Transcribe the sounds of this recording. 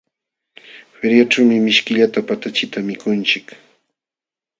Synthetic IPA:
feɾjaʈ͡ʂawmɪmɪʃkɪʎat̪apat̪at͡ʃɪt̪amɪkʊnt͡ʃɪk

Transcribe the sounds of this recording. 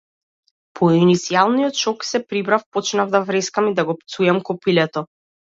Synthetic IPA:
pʰɔinit̪sialˠnijɔt̪ʃɔksɛpɾibɾafpɔt͡ʃnavd̪avɾɛskamid̪aɡɔpt̪sujɛmkɔpilɛt̪ɔ

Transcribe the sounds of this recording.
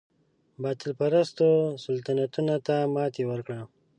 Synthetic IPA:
bɑːt̪ɪlpaɾast̪osalt̪anat̪unat̪amɑt̪ewəɾkɽa

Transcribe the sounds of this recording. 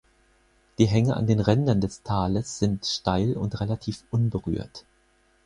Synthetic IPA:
d̥iːɦɛŋəʔa̰ndeːnʁɛndɐndɛstʰaːləsz̥ɪntʃtaɪlʊ̰ntʁelatʰiːfʔʊnbəʁy̰ːɐt

